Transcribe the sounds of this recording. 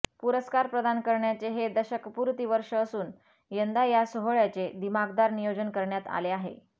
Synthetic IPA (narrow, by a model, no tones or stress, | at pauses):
puɾəskaɾpɾəd̪ankəɾɳjat͡seɦed̪əɕəkpuɾt̪iːʋəɾʂəːsuːn | jənd̪ajasoɦoɭjat͡sed̪imaɡd̪aɾnijod͡zənkəɾɳjat̪a̰leaɦḛ